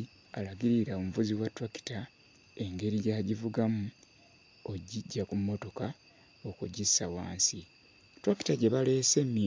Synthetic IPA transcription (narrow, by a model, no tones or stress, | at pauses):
alaɡiɾiɾaomuvuziwatwaki̥ta | e̞ŋɡe̞ɾijaːɟivuɡamu | oɟiɟːakumːo̞to̞ka | o̞kuɟisawaːnsi | tɾaki̥taɟe̞βalese̞mːi